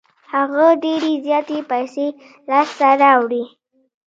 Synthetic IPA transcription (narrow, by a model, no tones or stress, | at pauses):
haɣaɖeɾezjɑt̪epajse | lɑst̪aɾɑwɽi